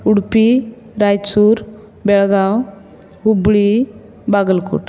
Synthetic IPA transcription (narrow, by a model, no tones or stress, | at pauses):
uɽpi | ɾajt͡suɾ | bɛɭɡaw | ɡubɭi | baɡəlkṵʈ